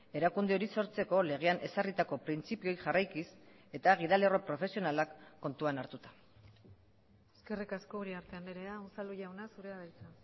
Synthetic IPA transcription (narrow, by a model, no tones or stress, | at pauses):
e̞ɾakund̪eo̞ɾiso̞ɾt͡se̞ko̞le̞ɣ̞e̞anʔe̞sarit̪ako̞pɾint͡sipio̞jʝarajkis | e̞t̪aɣ̞iðale̞ro̞pɾo̞fe̞sio̞nalakːo̞nt̪uanaɾt̪ut̪ḁ | eske̞rikaskouɾiaɾt̪e̞aneɾe̞ausaluʝawnasuɾeaɣajt͡sa